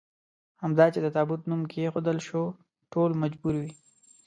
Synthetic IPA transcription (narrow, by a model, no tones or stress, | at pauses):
hamd̪ɑt͡ʃed̪ət̪ɑbut̪numkeexod̪əlʃo | ʈolmad͡ʒbuɾwi